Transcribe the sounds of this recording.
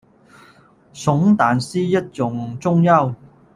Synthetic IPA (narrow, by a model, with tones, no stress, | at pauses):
sʊ˨˥ŋt̪aː˨˩nsiː˥jɐ˥t̚t͡sʊ˨˧ŋt͡sʊ˥ŋjɐ˥˧w